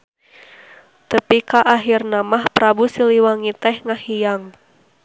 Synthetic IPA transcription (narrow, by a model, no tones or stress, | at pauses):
t̪əpikaʔaɦirnamahpɾabusiliwaŋit̪ɛhŋahijaŋ